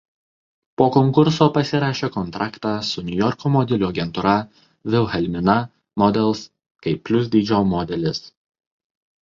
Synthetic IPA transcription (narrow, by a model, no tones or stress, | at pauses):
poːkɔŋkʊɾsoːpɐsʲɪɾɑːʃʲeːkɔnt̪ɾɑːkt̪ɑːsʊnʲʊjɔɾkoːmɔd̪ʲɪlʲuːɐɡʲɛnt̪ʊɾɐ | ʋʲɪlˠxʲɛlʲmʲɪnɐ | mɔd̪ʲɛlˠˑs | kɐɪpʲːlʲʊsʲd̪ʲiːd͡ʒʲoːmɔːd̪ʲɛlʲɪs